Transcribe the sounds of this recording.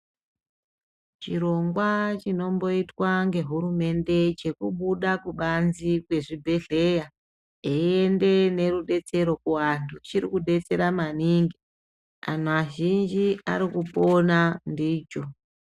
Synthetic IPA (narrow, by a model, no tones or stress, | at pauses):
t͡ʃiɾo̞ŋɡwat͡ʃino̞mbo̞itwaŋɡe̞ɦuɾume̞nde̞t͡ʃe̞kuɓuɗakuɓanzikwe̞ʐibʱe̞ɮe̞ja | eiende̞ne̞ruɗe̞t͡se̞ɾo̞kuwantʰut͡ʃiɾikuɗe̞t͡se̞ɾamaniŋɡi | a̰n̤uaʒind͡ʒia̰ɾikupo̞nandiːt͡ʃo